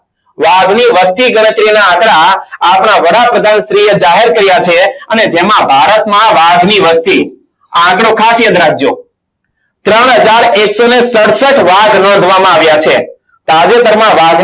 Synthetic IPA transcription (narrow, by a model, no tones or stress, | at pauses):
ʋaɡniʋəst̪iɡəɽ̃ət̪ɾinaãkɽaːpɳaʋəɽapɾəd̪ʱanʃɾied͡ʒaɦeɾkəɾjat͡ʃʰeəned͡ʒemãbʱaɾət̪mãʋaɡniʋəst̪i | ããkɽokʰasjəd̪ɾak̚ʰd͡ʒo̰ | t̪ɾəɳ̃ɦəd͡ʒaɾeksonesəɽsəʈʋaɡnɔ̃nd̪ʱʋamãaʋjat͡ʃʰe | t̪oad͡ʒet̪əɾmãʋaɡ